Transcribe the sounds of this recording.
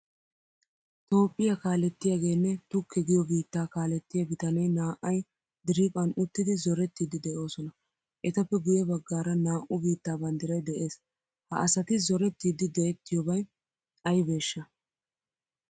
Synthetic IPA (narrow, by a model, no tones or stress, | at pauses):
t̪o̞ːpʼːɪjɐkaːlɛt̪ːɪjaɡe̞ːnːɛt̪ʊkːɛɡɪjɔbiːt̪ːaːkaːlɛt̪ːɪjɐɡɪt̪ɐnɐjnaːʔːɐj | d̪ɪɾipʼɐnʊt̪ːɪd̪ɪzɔɾɛt̪ːiːd̪ɪd̪ɛʔo̞ːsɔnɐ | ʔɛt̪ɐpːɛɡʊjɛbɐɡːaːɾɐnaːʔʊbiːt̪ːaːbɐnd̪ɪɾɐjd̪ɛʔe̞ːs | hɐ̰ʔɐsɐt̪ɪzɔɾɛt̪ːiːd̪ɪd̪ɛʔɛt̪ːɪjɔbɐj | ɐjbe̞ːʃːɐ